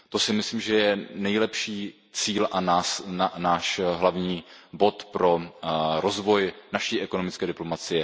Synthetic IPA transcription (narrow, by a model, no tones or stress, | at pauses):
t̪o̞sɪmɪslimʒɛjɛnɛjlɛpʃiː | t͡siːlʔanaːsanaːʃɦlavɲiːbo̞t̪pɾo̞ɾozvo̞jnaʃiːʔɛko̞no̞mɪt͡skɛːdɪplo̞mat͡sɪjɛ